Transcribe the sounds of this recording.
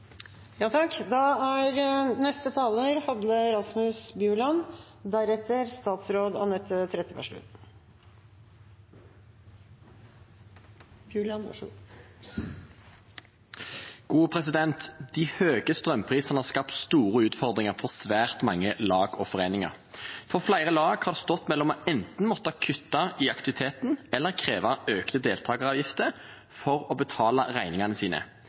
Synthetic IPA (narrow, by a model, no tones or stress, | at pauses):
jɑːt̪ʰɑkːd̪ɑæɾnɛst̪ət̪ʰɑːləːɾhɑd̪əɾɑsmʉsbjʉːɭɑn | d̪æɾɛt̪ːəɾst̪ɑːt̪sɾoːd̪ɑ̰nɛt̪ʰːət̪ʰːɾɛt̪əʋæ̰ʂɭʉ̰t̪ | bjʉl | ɡ̥uːpʰʁɛsɪd̪ɛnt̪d̪̥ɪhøːɡəst̪ʁœmpʰʁiːsən̩ɑʁskɑpt̪st̪uːʁəʉːt̪fɔʁd̪ʁɪŋəʁfɔʁsʋæːʁt̪mɑŋːəlɑːɡɔfɔʁeːnɪŋɑ̰ʁ | fɔʁflæɪʁəlɑːɡhɑʁd̪ɛst̪ɔt̪ːmɛlːɔmɔɛnt̪n̩mɔt̪ːəɑkʰʏt̪ːɑiɑkt̪ɪʋɪt̪ʰeːt̪n̩ɛlːəʁkʰʁeːʋɑøːknəd̪eːlt̪ʰɑːɡəʁɑːʋjɪft̪əʁ | fɔʁɔbət̪ʰɑːlɑʁæɪnɪŋɑnəsiːnə̰